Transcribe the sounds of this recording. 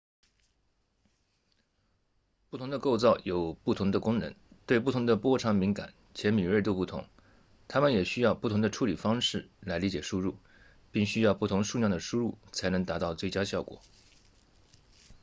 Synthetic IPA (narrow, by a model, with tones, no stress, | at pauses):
pu˥˩t̪ʰʊ˧˥ŋd̪ə˧ko˥˧ʊt͡sɑ˥˩ʊjo˨˩ʊpu˥˩t̪ʰʊ˧˥ŋd̪ə˧kʊ˥ŋnə̰˧˥nt̪we˥˧ɪp̬u˥˩tʰʊ˧˥ŋd̪ə˧pwɔ˥ʈ͡ʂʰɑ˧˥ŋmi˧˥ŋka̰˨˩˦n | t͡ɕʰjɛ˧˥nmi˨˩ɻə˥˩t̪̬o˥ʊpu˥˩t̪ʰʊ̰˧˥ŋ | t̪ʰa˥mə˨njɛ˨˩ɕy˥jɑ˥˧ʊpu˥˩t̪ʰʊ˧˥ŋd̪ə˧ʈ͡ʂʰu˥li˨˩fɑ˥ŋʂɻ̩˥˩la˧˥ɪli˧˥t͡ɕjɛ˨˩ʂu˥ɻu˥˩ | pi˥˩ŋɕy˥jɑ˥˧ʊpu˥˩t̪ʰʊ˧˥ŋʂu˥˧njɑ˥˩ŋd̪ə˩ʂu˥ɻu˥˩t͡sʰa˧˥ɪnɤ˧˥ŋt̪a˧˥t̪ɑ˥˧ʊt͡swe˥˩ɪt͡ɕja˥ɕjɑ˥˩ʊkwɔ̰˨˩˦